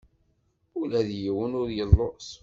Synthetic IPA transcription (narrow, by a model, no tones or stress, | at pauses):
ʊlæðjiwənʊɾjəlˤːos